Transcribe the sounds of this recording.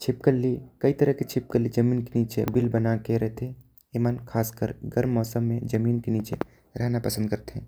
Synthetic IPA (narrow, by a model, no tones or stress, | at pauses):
t͡ʃʰɪpkəlːikɐit̪ɐɾəɦket͡ʃʰɪp̚kəlːid͡ʒəmiːnkeniːt͡ʃebɪlbɐnakeɾɛɦt̪ʰe | emankʰaːskəɾɡɐɾmːɔːsəmːẽd͡ʒɐmiːnkeniːt͡ʃe | ɾɛɦnapɐsə̃nd̪̚kəɾt̪eɛ̃ː